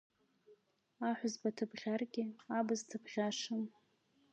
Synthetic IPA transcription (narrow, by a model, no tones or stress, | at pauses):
aħʷʊzbatʰɨbʁʲarɡʲɪabɨztʰɨbʁʲaʂɨn